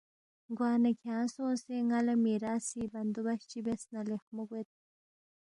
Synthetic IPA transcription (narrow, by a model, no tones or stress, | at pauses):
ɡwɑːnakʰãːnsõːseŋalamiɾaːsibɐnd̪ubaɕt͡ɕibesnalexmuɡwet̪̚